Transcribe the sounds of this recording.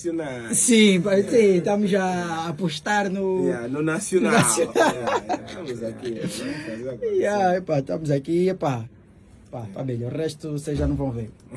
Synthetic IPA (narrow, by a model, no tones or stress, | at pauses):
sonasĩpasĩt̪amʊzɐːpuʃt̪aɾnʊnunasjonnasjona | ɐmuzaki | aɛpaʃt̪amuzakiɛpa | papabiʎɐuʁɛʃt̪usezʒanɐ̃w̃vɐ̃w̃veɾ